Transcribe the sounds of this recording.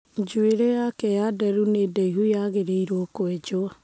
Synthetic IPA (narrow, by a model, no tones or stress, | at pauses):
d͡ʒweɾɛjakɛjadɛɾunedɛiɦujaɣeɾeiɾwɔkwɛd͡ʑoa